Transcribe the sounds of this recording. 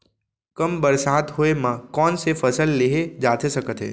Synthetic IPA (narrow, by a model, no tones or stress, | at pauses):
kəmbəɾsad̪ɦoemãkɔnsefəsəlːeɦed͡ʒat̪ʰesəkət̪ʰḛ